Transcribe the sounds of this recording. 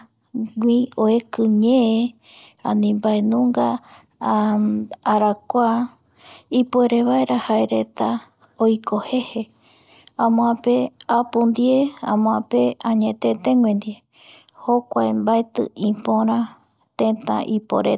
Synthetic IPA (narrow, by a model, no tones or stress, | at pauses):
ɡʷĩoekɨɲẽe | ã̰nĩmbaenũŋɡa | ɾakʷa | ipoeɾeβaeɾahaeɾe̞t̪a | ojkʰohe̞he | ãmõãpeapũnd̪je̞ã̰mõãpeãɲẽt̪et̪ẽŋwẽnd̪ie | hokʷaembaet̪ɨ̰ĩpõɾ̃ã | t̪ẽt̪ã̰ʔipo̰ɾe